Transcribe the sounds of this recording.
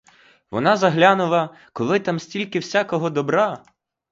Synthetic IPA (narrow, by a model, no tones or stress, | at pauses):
ʋɔ̰nɑzɐɦlʲanʊlˠɐ | kɔlˠɪt̪ɑmsʲtʲilʲkɪwsʲakɔɦɔd̪ɔbɾɑ